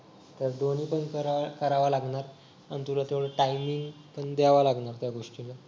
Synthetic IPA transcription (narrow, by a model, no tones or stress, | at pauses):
t̪əɾd̪oniːpəɳkəɾakəɾaʋalaɡɳaɾ | a̰nit̪ulat̪eʋɭəʈajmiŋɡ | pəɳd̪aʋalaɡɳaɾt̪jaɡoʂʈila